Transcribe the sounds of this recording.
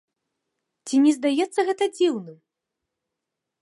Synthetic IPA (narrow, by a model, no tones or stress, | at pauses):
t͡sʲinʲɛzd̪ajɛt̪sːɐɣɛt̪ɐd͡zʲiwnɨ